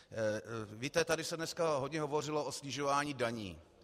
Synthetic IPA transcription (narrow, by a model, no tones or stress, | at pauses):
viːt̪ɛt̪adɪsɛdnɛskaɦodɲɛɦo̞vo̞rɪloʔosɲɪʒovaːɲiːdaɲḭː